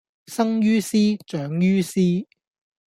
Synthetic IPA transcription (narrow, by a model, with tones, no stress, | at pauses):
sɐ˥ŋjyː˥siː˥t͡ʃœː˨˥ŋjyː˥siː˥